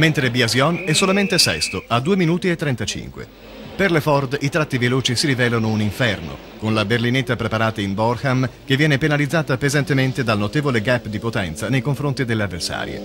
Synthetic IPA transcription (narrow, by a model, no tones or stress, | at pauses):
ment̪ɾebiazjɔnɛsːolament̪esɛ̰st̪oad̪ːuːeminuːt̪iet̪ːɾɛnt̪at͡ʃḭŋkwḛ | perlefɔrd̪it̪ɾat̪ːiveloːt͡ʃisiɾivɛːlanouniɱfɛrno̰ | konlaberlinet̪ːapɾepaɾaːt̪aimbɔrxamkevːjɛːnepenalid̪zːaːt̪apezant̪ement̪ed̪alnot̪eːvoleɡapːd̪ipot̪ɛnt̪sanejkoɱfɾont̪id̪elːeavːersa̰ːɾjḛ